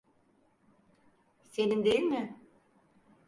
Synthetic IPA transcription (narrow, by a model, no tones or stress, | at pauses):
senind̪ejilʲmɪ